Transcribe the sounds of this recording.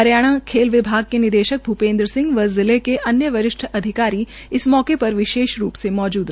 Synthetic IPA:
ɐɾjaːɽ̃akʰeːlʋɪbʱaːɡ̚kenɪd̪eːʃək̚bʱupẽːnd̪ɾəsɪ̃ŋɡʋɐzɪlekeʔɐnjəʋɐɾɪʃʈʰɐd̪ʱɪkaːɾi | ɪsmɔːkepɐɾʋɪʃeːʃɾṵːpsemɔːd͡ʒuːd̪

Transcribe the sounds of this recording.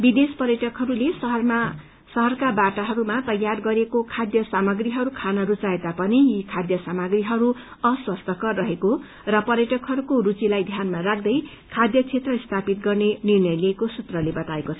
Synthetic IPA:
bid̪espʌrjʌʈʌkɦʌɾulesʌɦʌrma | sʌɦʌrkabaʈaɦʌɾumat̪ʌjːarɡʌɾekokʰad̪jʌsamʌɡriɦʌɾukʰanʌɾut͡saed̪apʌnijikʰad̪jʌsamʌɡriɦʌɾu | ʌswʌst̪ʌkʌrʌɦeko | rʌpʌrjʌʈʌkɦʌɾukoɾut͡silajd̪ʱjanmarakʰd̪ʌj | kʰad̪jʌt͡sʰet̪rʌist̪ʰapit̪ɡʌrnenirnʌjliːkosut̪rʌlebʌt̪aekot͡sʰʌ

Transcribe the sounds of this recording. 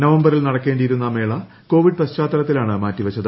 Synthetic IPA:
nɐʋɐmbɐɾilnɐɽɐkːe̞ːɳɖiːɾunːɐme̞ːɭɐ | ko̞ːʋiɖ̚pɐst͡ɕaːt̪ːɐɾɐt̪ːilaːɳɨmaːtːiʋɐt͡ɕːɐðɨ

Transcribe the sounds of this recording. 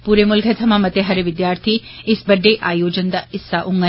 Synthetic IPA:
puːɾemʊlkʰət̪ʰɐmãmɐt̪eɦɐɾʋɪd̪jaːɾt̪ʰiɪsbɐɖʱeʔaːjoːd͡ʑənd̪ɐɪsːaʔʊŋɡə

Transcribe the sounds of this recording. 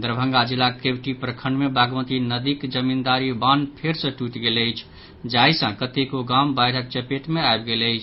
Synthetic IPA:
d̪ɾəbʱə̃ŋɡad͡ʒilːakebʈipɾəkʰəɳɖmebaɡmət̪inəd̪ikd͡ʒəmind̪aɾibanpʰeɾsə̃ʈuʈɡeləɪt͡ʃʰ | d͡ʒajsə̃kət̪ekoɡambajɽək̚t͡ʃəpeʈmeaebɡelət͡ʃʰ

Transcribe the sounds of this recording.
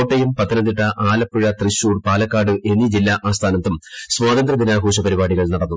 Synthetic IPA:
oʈːejumpɐt̪ːɐnɐnd̪iʈːɐʔaːlɐpːuɻɐt̪riɕːuːɽpaːlɐkːaːɖɨʔe̞nːid͡ʑilːaʔaːst̪ʰaːnɐt̪ːumsʋaːðɐnd̪rɐd̪inaːɡʱuːɕɐpɐɾibaːɽiɣɐɭnɐɽɐnːu

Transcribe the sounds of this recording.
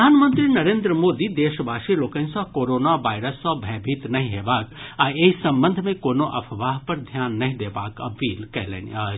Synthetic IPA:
d̪ʱaːnmə̃nt̪ɾinɐɾeːnd̪ɾəmoːd̪id̪eːʃbaːʃeloːkənsãkoːɾoːnaʋaːɪɾəsːɔ̃bʱɛ̃ːbʱit̪nɐɦĩɦeːbaːkaːeɦisɐ̃mbə̃nd̪ʱmẽkoːnoʔɐ̰pʰʋaːɦpɐɾd̪ʱjaːnːɐɦĩd̪eːbaːkɐ̰pːiːlkɛɦlḛːnḭaː

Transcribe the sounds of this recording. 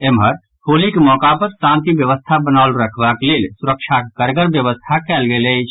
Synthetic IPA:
emɦəɾ | hʰolikemɔkapəɾsãnt̪ibjəʋəst̪ʰabənaʊlɾəkʰbaklelsuɾəkʃʰakkəɾɡəɾbjəʋəst̪ʰakɛlɡelɛt͡ʃʰ

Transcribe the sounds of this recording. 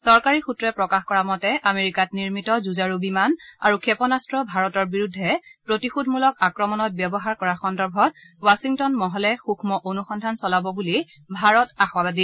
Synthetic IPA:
sɔɹkaɹixutɹɛpɹɔkaxkɔɹamɔtɛʔameɹikatniɹmitɔzuzaɹubimana̰ɹukʰɛpɔnastɹɔbʱaɹɔtɔɹbiɹudʱːɛpɹotixudʱmulɔkakɹɔmɔnɔt̚bjɔbɔɦaɹkɔɹaxɔndɔɹbʱɔt̚ | wasiŋtɔnmɔɦɔlɛxukʰmɔʔonuxɔndʱansɔlabɔbuli | bʱaɹɔtaxwabadi

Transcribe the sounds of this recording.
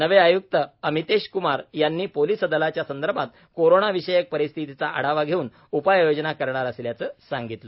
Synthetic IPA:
nəʋeajuk̚t̪əəmit̪eɕkumaɾjanːiːpoliːsəd̪əlat͡ɕjasənd̪əɾbʱat̪ | koɾoɳaʋiɕəjək̚pəɾist̪ʰit̪it͡saʔə̰ɽ̤aʋaɡʱeuːn | upajjod͡ʑnakəɾɳaɾəsljat͡səːsaŋɡit̪lə

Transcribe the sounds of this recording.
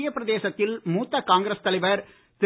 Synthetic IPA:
jɐpːɪɾɐðeːsɐt̪ːɪlmuːt̪ːɐkaːŋɡɪɾɐst̪ɐlɐɪʋɐɾ | t̪ɪ

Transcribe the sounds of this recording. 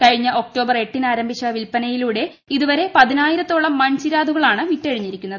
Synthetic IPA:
kɐɻiɲːɐʔo̞k̚ʈo̞ːbɐre̞ʈːinaːɾɐmbʱiɕɐʋilpɐnɐjiluːɽe̞ | iðuʋɐɾe̞pɐðinaːjiɾɐt̪ːo̞ːɭːɐmːɐɲt͡ɕiɾaːd̪ʱuɣɐɭaːɳɨʋiʈːɐɻiɲːiɾikʲːunːɐðɨ

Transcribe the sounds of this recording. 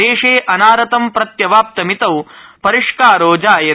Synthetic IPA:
eːʂeːʔɐnaːɾɐt̪ɐmpɾɐt̪jɐʋaːp̚t̪ɐmit̪ɐwpɐɾiʂkaːɾoːd͡ʒaːjɐ

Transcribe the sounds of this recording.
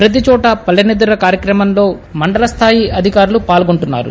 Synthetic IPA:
pɾɐt̪̬it͡ʃɔːʈɐpɐlɐnid̪uɾɐkaːɾjɐkɾɐmɐmlo̞ːmɐɳɖɐlɐst̪ʰaːjiɐd̪ʱikaːɾulupaːlɡoɳʈunːa̰ːɾṵ

